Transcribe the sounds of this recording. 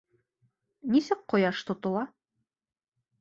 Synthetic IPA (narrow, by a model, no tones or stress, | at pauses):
nisɘk̚qŏjɑʃt̪ŏt̪ŏlˠɑ